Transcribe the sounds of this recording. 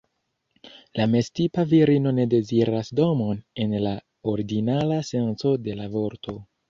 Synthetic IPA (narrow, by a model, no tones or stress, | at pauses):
lame̞stipaviɾino̞ne̞de̞ziɾasdo̞mo̞ne̞nla | oɾiɡinalase̞nt͡so̞de̞lavo̞ɾtʰo̞